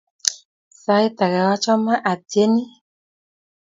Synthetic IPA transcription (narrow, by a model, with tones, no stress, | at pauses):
sa˦i˦ta˨kɛ˨wa˦t͡ʃɔ˦ma˦ʔa˨tje˦ni˦